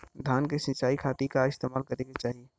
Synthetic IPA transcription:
d̪ʱjaːnkesə̃nt͡ʃaːikʰaːt̪ikaɪst̪eːmaːlkɐɾeɡet͡ʃaːɦie

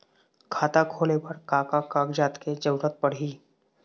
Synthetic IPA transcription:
kʰaːt̪akʰoːlepəɾkaːkakaːkd͡ʒaːt̪ked͡ʒəɾət̪̚pəɽɦiː

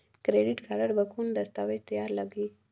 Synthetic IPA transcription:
kɾeɖɪʈkʰaɾaɾbakund̪ast̪awet̪jɑɾlaɡi

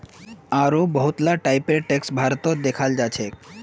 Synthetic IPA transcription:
aɾobɔɦut̪laʈajpeɾʈeksbʱaɾot̪od̪ekʰald͡ʑat͡ɕʰe

